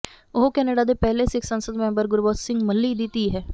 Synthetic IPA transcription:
ʊɦokɛːneːɖaːd̪eːpɛɦleːsɪkʰsənsəd̪mɛ̃ːmbəɾɡʊɾboːt̪sɪŋɡməlːiːd̪ɪt̪iːɦɛː

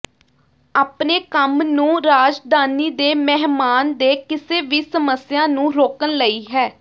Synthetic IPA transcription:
aːpneːkəmnũːɾaːd͡ʒd̪aːniːd̪eːmɛɦmaːnd̪eːkɪseːʋiːsəməsjãːnũːɾoːkənləiːɦɛː

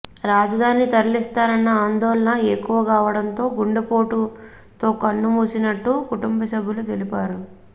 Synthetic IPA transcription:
ɾaːd͡ʒɐd̪ʱaːnit̪ɐɾlist̪aːɾɐnːɐaːnd̪ɔːlɐɳɐekːuʋɐkaːʋɐɽɐnt̪o̞ːɡuɳɖɐpoːʈu | t̪o̞ːkɐnːumuːsinɐʈːukuʈumbɐsɐbʱːulut̪e̞lipaːɾu

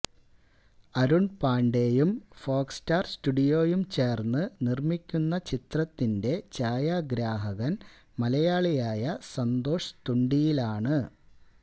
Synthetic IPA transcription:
ɐɾuɳpaːɳɖeːjumfo̞ːkstaːrstuɽijo̞ːjumt͡ɕe̞ːrnːɨnirmikʲːunːɐt͡ɕit̪rɐt̪ːinde̞t͡ɕaːjaːɡɾaːɦɐɣɐn | mɐlɐjaːɭijaːjɐsɐnd̪o̞ːʂɐ̥t̪uɳɖijilaːɳɨ

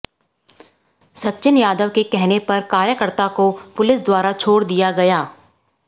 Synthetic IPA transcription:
sɐtːʃɪnjaːd̪əʋkekɛɦnepɐɾkaːɾjəkəɾt̪akopʊlɪsd̪waːɾat͡ʃʰoːɽd̪ijaɡɐjaː

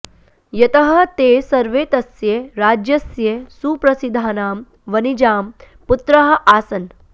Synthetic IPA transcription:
jɐt̪ɐɦɐt̪eːsɐɾʋeːt̪ɐsjeːɾaːd͡ʒjɐsjesuːpɾɐsid̪ʱːaːnaːm | ʋɐnid͡ʒaːm | put̪ɾɐɦɐʔaːsɐn

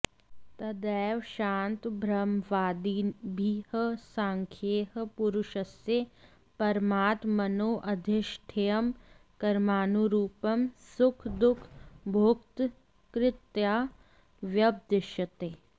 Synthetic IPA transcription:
t̪ɐd̪ɛːʋʃaːnt̪bʱɾɐmʋaːd̪ibʱihəsaːŋkʰjeːɦə̆puɾʊʃɐsje | pɐɾmaːt̪mɐnoːʔɐd̪ʱɪʃʈʰejɐmkɐɾmaːnuɾuːpɐmsʊkʰd̪ʊkʰbʱokt̪ | kɾɪt̪jaː | ʋjɐb̚d̪ɪʃjɐt̪eː

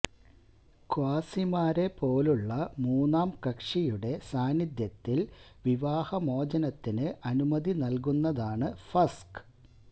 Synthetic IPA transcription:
kwaːsimaːɾe̞po̞ːluɭːɐmuːnːaːmkɐkʂijuɽe̞saːnid̪jɐt̪ːilʋiʋaːhɐmo̞ːd͡ʑɐnɐt̪ːinɨʔɐnumɐðinɐlkunːɐðaːɳɨfɐsk

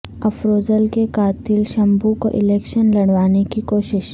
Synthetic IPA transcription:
ɐfɾoːzəlkekaːt̪ɪlʃɐ̃mbuko̰ʔɪlɛːkʃənlɐɽʋaːnekikoːʃɪʃ

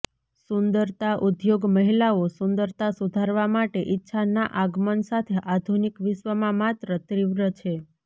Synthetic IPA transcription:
sund̪əɾt̪aʔud̪joɡməɦilaosʊnd̪əɾt̪asud̪ʱaɾʋamaʈeʔitːʃʰanaʔaɡmənsat̪ʰeʔad̪ʱunikʋɪʃʋəmãmat̪ɾət̪ɾiʋɾət͡ʃʰe

